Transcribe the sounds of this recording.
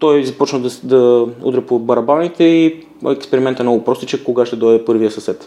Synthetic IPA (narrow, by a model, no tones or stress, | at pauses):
t̪ɔjzɐpɔt͡ʃnəd̪d̪ɐṵd̪ɾɛpobɐɾɐbanit̪ɛḭ | jɛkspɛɾimɛnt̪ɛmnɔɡʊpɾɔsit͡ʃəkːoɡaʃt̪ɛd̪ɔjd̪ɛpɤɾvijəsɐsɛt̪